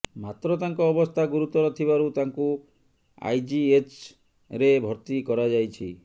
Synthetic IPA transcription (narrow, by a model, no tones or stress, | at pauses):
mat̪ɾɔt̪aŋkɔːbɔst̪ʰaɡuɾut̪ɔɾɔt̪ʰiβaɾut̪aŋku | a̰jd͡ʒiet͡ʃ | ɾebʱɔɾt̪ikɔɾad͡ʒajt͡ʃʰi